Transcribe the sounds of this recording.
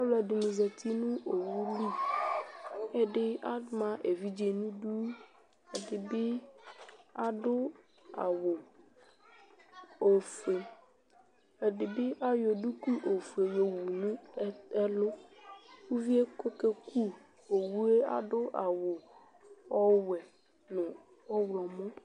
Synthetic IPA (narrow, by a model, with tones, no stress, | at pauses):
a˦wlɛ˨ɖi˨nũ˨ze˨t̪ʰi˦nũ˦o˨wu˦li˦ | e˦ɖɪ˦a˦mã˦ʔe˨vi˦d͡ʒe˨nũ˦ɖu˦ | e˨ɖɪ˨bɪ˦ | a˦ɖʊ˦ | a̰˨wo˨ | o˨fe˨ | e˨ɖe˨be˦ʔa˦jo˨ɖu˦ku˦ʔo˨fe˨jo˨wu˨nũ˦e˦lo˦wu˦vi˦e˦ko˦ke˦kʰu˦ | o˨wu˦e˦a̰˨ɖʊ˦ʔa̰˨wo˨ | ɔ˦wɛ˨ | nʊ̃˨ | ɔ˦wlɔ˨mɔ̃˦